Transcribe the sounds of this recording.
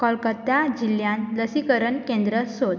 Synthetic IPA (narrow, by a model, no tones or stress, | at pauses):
kəlkət̪ːad͡ʑiljãnləsikəɾənkẽnd̪ɾəsod̪